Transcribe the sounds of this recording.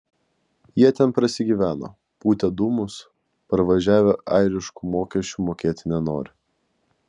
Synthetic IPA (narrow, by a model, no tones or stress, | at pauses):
jiɛt̪ʲɛnpɾɐsʲɪɡʲiːʋʲæːno̰ː | puːt̪ʲɛd̪umʊs | pɐɾʋɐʒʲæːʋʲeʔɐɪɾʲɪʃkumoːkʲɛsʲt͡ʃʲuːmoːkʲiːt̪ʲɪnʲɛno̰ːɾʲɪ